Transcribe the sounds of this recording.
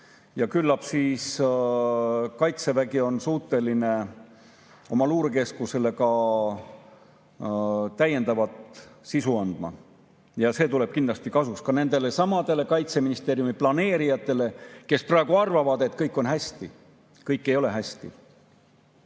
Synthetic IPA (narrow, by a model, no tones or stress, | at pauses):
jɑkylːɑpsiːs | kɑjt̪se̞væɡio̞nsuːht̪ːˑe̞line̞ | o̞mɑluːɾeke̞skuse̞le̞kɑ | t̪æjːe̞nd̪ɑvɑt̪sisuɑnd̪̥mɑ̰ | jɑse̞ːt̪ule̞b̥̚kind̪lɑst̪ikɑsukskɑne̞nd̪e̞le̞sɑmɑd̪̥e̞le̞kɑjt̪se̞minist̪e̞ːɾjumiplɑne̞ːɾijɑt̪ːˑe̞le̞ke̞sprɑe̞ɡ̥uɑrvɑvɑd̪e̞t̪kɤjkːˑo̞nɦæsʲt̪i | kɤjkːe̞jo̞le̞ɦæst̪ḭ